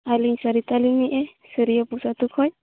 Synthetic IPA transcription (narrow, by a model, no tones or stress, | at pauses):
aliɲsaɾit̪aliniʔɛsiɾijɔpusat̪ukʰɔɲ